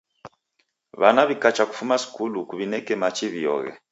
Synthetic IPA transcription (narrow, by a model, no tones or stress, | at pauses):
βanaβikat͡ʃaku̥fumasi̥kulukuβinɛkɛmat͡ʃiβiɔ̰ɣɛ̰